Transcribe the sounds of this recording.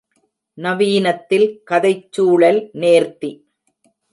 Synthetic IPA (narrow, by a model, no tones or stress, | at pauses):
nɐʋiːnɐt̪ːɪlkɐðɐɪt͡ʃːuːɭɐlneːɾt̪i